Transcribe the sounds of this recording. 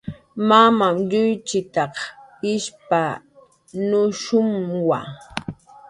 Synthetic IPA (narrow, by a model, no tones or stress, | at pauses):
mamamʎʊjt͡ʃɪt̪ɑqɪʃpa | nʊʃʊmwa